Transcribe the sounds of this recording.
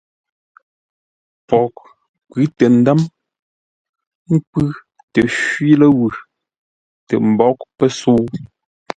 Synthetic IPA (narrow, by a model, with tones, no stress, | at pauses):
pɔ˨k̚ | kʉ˨˦tɛ˨n̩˨˦da˦m | ŋ̩˦k͡pʉ˦ | tɛ˨ʃwɥi˦lə˦wʉ˨ | tɛ̰˨m̩˨bɔ˦k̚pə˦so˦